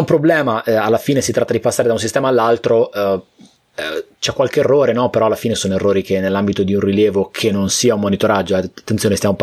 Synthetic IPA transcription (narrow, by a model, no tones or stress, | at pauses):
umpɾoblɛːmaʔɛalːafiːnesit̪ɾat̪ːad̪ipasːaɾed̪aunsist̪ɛːmaːlːalt̪ɾo | t͡ʃɛkːwalkeːrːoːɾenɔpeɾɔalːafiːnesoːnoerːoːɾikenːelːambit̪od̪iunriljɛːvokʰenːonsiːaumːonit̪oɾad͡ʒːot̪ːent̪sjoːnest̪jamo